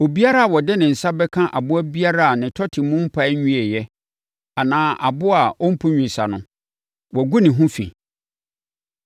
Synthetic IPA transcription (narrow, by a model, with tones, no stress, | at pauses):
o˨bi˦a˦ɾa˦a˨wɔ˨dɛ˦nɪ̃˨n̩˨sa˦bɛ˦kʰã˦ʔa̰˨bʊ˦æ˦bi˦a˦ɾa˦a˨nɪ̃˨tʰɔ˦tʰɪ˨˦mʊ̃˦m̩˦pʰa˦ɲũ˦ɛ˨jɛ˦ | a˨nãː˦ʔa̰˨bʊ˦a˨ɔ˦m̩˦pʰʊ˦ɲᶣĩ˨sa˨nʊ̃˨ | wɔ˨ɡu˦nɪ̃˨ɦʊ̃˦fḭ̃˨